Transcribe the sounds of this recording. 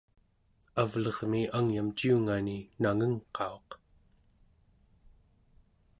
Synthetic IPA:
avlʌʁmiaŋjamt͡ʃiuŋaninaŋəŋqʰɑo̞q

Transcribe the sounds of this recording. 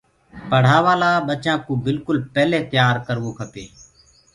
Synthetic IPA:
pəɽ̤aːʋaːlaːɓət͡ʃãːkũːbɪlkʊlpɛːleːt̪jaːɾkəɾʋoːkʰəpeː

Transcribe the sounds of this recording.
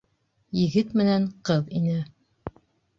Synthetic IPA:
jɘ̆ɡɘt̪mɘ̆næɴqɤðinɘ

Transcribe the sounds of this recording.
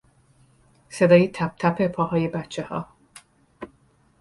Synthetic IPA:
sed̪ɒːjit̪ʰæp̚t̪ʰæpʰepʰɒhɒːjebæt̪̚t͡ʃʰehɒ̰ː

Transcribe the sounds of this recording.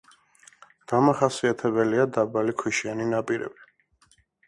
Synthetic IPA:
d̪̥amaχasiat̪ʰɛbɛliad̪abalikʰwiʃianinapʼiɾɛ̰bi

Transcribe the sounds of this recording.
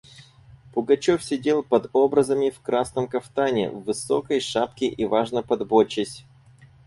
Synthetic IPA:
pʊɡɐt͡ɕofsʲɪdʲe̞lˠpɐd̪o̞bɾəzəmʲɪfkɾasnəmkɐft̪anʲɪ̰vːɨso̰kəjʂapkʲɪʔivaʐnəpɐd̪bot͡ɕːɪsʲ

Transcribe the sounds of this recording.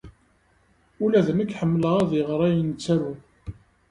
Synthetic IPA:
ulæðəməkħəmːləʁæðiʁɾˤæjnt͡sːæɾu

